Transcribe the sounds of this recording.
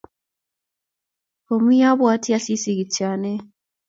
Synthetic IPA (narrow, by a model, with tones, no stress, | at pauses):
o˨mu˦ja˦βwaː˦tʰi˦ja˦si˦si˨ɣi˨ta˨ne˦